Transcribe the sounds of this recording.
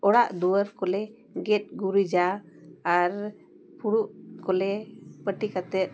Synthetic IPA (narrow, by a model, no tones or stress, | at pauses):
ɔɽaʔd̪uwəɾkɔlɛ | ɡɛt̪̚ˀɡuɾid͡ʒaː | ɾ | puɽuʔkɔlɛpəʈikat̪ɛt̪̚